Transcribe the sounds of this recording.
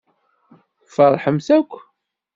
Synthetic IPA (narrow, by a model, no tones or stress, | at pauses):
fəɾˤħəmsækʷː